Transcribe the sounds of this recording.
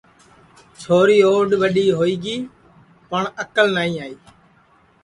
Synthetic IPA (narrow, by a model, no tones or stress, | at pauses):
t͡ʃʰoːɾiːoːɗʋəɗiːɦoːiːɡiː | pəɳəkəlnaːĩːaːiː